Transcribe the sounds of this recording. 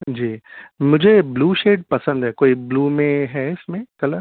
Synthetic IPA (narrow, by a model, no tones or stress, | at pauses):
d͡ʒiːmʊd͡ʒʱebluːʃeːɖ̚pɐsə̃nd̪ɦɛkoːibluːmẽɦɛːɪsmẽkɐləɾ